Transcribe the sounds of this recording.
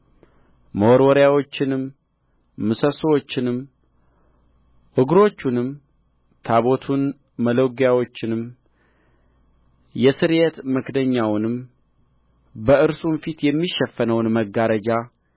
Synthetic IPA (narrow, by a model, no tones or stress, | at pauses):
məwoɾwɔɾjawo̞t͡ʃːɪnɨmː | ɨsəswot͡ʃːɪnɨm | ʔɨɡɾo̞t͡ʃːunɨm | t̪ʰaβo̞t̪ʰun | mələwɡjawo̞t͡ʃːɪnɨm | jɛsɨɾjet̪mɨkd̪əɲːawnɨm | bəʔɨɾsunfit̪jɛmːiʃɛfːənəwnməɡːaɾəd͡ʒa